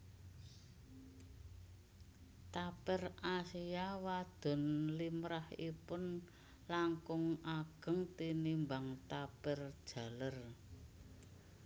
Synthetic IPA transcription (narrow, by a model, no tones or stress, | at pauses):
t̪apɪrʔasijawad̪̥ɔ̤nlimɾahipʊn | laŋkʊŋʔaɡ̥ə̤ŋt̪inimbaŋt̪apɪrd̥ʒ̥ä̤lər